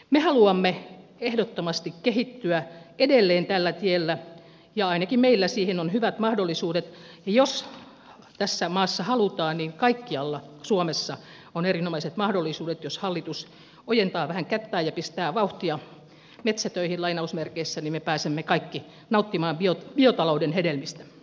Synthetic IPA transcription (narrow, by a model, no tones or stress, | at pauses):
mehɑluɑmːeehdot̪ːomɑst̪ikkehit̪ːyæedelːeːnt̪ælːæt̪ielːæ | jɑɑinɑkimmeilːæsiːhenonhyʋæt̪mɑhdolːisuːdet̪ | jos | t̪æsːæmɑːsːɑhɑlut̪ɑːnniŋkɑikːiɑlːɑsuomesːɑ | onerinomɑiset̪mɑhdolːisuːdet̪joshɑlːit̪us | ojent̪ɑːʋæhæŋkæt̪ːæːjɑpist̪æːʋɑuht̪iɑ | met̪sæt̪øihillɑinɑusmerkeisːænimepæːsemːekɑikːi | nɑut̪ːimɑːmbiob̥iot̪ɑloudenhedelmist̪æ̥